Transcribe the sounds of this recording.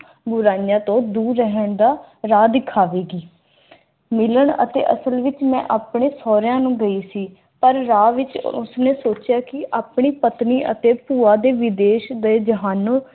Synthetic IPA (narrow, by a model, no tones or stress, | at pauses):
bʊɾaːijãːt̪õːd̪uːɾːəɦəɳd̪aː | ɾaːd̪ɪkʰaːʋeːɡiː | mɪləɳə̰t̪ḛːʔə̰səlʋɪt͡ʃmɛ̰̃ːʔaːpɳeːsɔːɾjãːnũːɡəiːsiː | pəɾːaːʋɪt͡ʃʊ̰sneːsoːt͡ʃjaːkɪaːpɳiːpət̪niːʔə̰t̪eːpuːaːd̪eːʋɪd̪eːʃd̪eːd͡ʒəɦaːnõː